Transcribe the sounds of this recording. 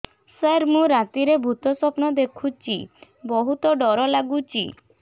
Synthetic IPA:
səɾmũɾat̪iɾebʱut̪ɔsɔpnɔd̪ekʰut͡ʃi | bɔɦut̪ɔɖɔɾɔlaɡut͡ʃḭ

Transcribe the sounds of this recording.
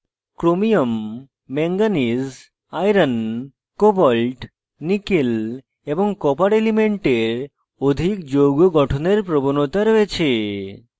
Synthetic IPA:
kɾomijomː | eŋɡaniz | ajɾən | kobɔlʈ | nikil | ebɔŋkɔpaɽelimeɳʈeɾ | od̪ʱikd͡ʑoɡoɡɔʈʰoneɾpɾɔbonot̪aɾɔet͡ɕʰe

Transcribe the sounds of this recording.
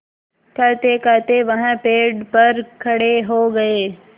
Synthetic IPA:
kɐɾt̪ekɐt̪eʋɐɦãpeːɖpɐɾkʰɐɽeɦoɡɐeː

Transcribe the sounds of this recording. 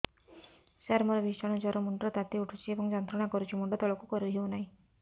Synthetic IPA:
saɾmɔɾɔbʱit͡ʃɔɽ̃ɔd͡ʒɔɾɔmuɳɖɾɔt̪at̪iuʈʰut͡ʃʰiebɔŋd͡ʒɔnt̪ɾɔɽ̃akɔɾut͡ʃʰimuɳɖɔt̪ɔɭɔkukɔɾiɦeunaɦĩ

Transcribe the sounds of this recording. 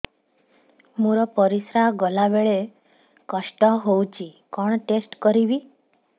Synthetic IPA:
muɾɔpɔɾisɾaɡɔlaʋeɭe | kɔʃʈɔɦowt͡ʃʰikɔɳ̃ʈesʈkɔɾiʋi

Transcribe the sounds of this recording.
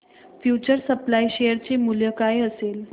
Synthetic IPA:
fjut͡ɕəɾsəplaiɕejəɾt͡semuljəkajəsel

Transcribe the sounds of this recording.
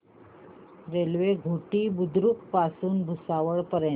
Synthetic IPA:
ɾelʋeɡʱoʈiːbud̪ɾukpasuːnbʱusaʋəɭpəɾɛ

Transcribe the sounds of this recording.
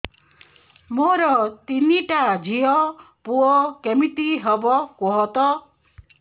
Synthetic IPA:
moɾɔt̪iniʈad͡ʒʱiɔ | puɔkemit̪iɦɔbɔkɔɦɔt̪ɔ

